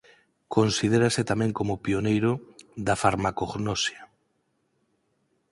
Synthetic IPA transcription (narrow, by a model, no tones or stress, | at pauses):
konsið̞eɾasɪt̪amɛ̃ŋkomʊpionejɾʊðafaɾmakoɣnosja